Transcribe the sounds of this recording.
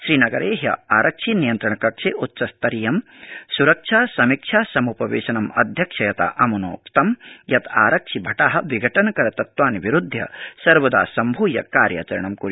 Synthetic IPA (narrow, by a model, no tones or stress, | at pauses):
ʃɾiːnɐɡɐɾeːɦjɐ̰aːɾʔɐkʂʰinijɐnt̪ɾɐɳɐkɐkʂeʔutːʃɐst̪ɐɾijɐmsuɾɐkʂʰaːsɐmikʂʰaːsɐmupɐʋeːʃɐnɐmɐd̪ʱjɐkʂʰɐjɐt̪a̰ʔɐmɐno̰ːkt̪ɐmjɐt̪ʰa̰ːɾɐkʂibʱɐʈaːɦɐ̆ʋiɡʱɐʈɐnɐkɐɾɐt̪ɐt̪ʋaːniʋiɾud̪ʱjɐ̰sɐɾʋɐd̪a̰ːsɐmbʱuːjɐ̰kaːɾja̰ːt͡ʃɐɾɐɳɐmkuɾ